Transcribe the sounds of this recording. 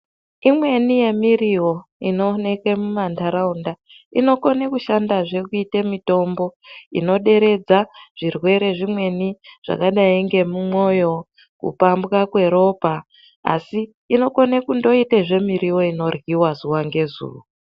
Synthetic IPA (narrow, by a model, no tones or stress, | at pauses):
imwe̞nije̞miriwo̞ino̞ne̞kemumandaɾaunda | ino̞ko̞nekuʃandaʐe̞kuitemito̞mbo̞ḭno̞ɗe̞ɾe̞d͡zaʐ̥irwe̞ɾe̞ʐimwe̞niʐ̥a̰kaɗaiŋɡe̞mumo̞jo̞ | kṵpambɣakwe̞ɾo̞pa | a̰siː | no̞ko̞nekundo̞iteʐe̞miɾiwo̞ino̞rɣiwazuwaŋɡe̞zṵːwo